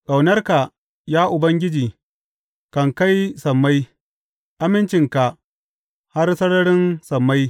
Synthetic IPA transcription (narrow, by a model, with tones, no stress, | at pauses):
ka˨wnɐ˦rka˨ | jaː˦ʔʊ˨bɐ˦ŋɡʲɪ˦d͡ʒiː˨ | kɐ˨ŋka˦jsɐ˨mːa˦j | ʔa˦mɪ˦nt͡ʃɪ˨ŋka˨ʔ | ha˦rsɐ˦ɽɐ˦ɽɪ˦nsɐ˨mːa˦j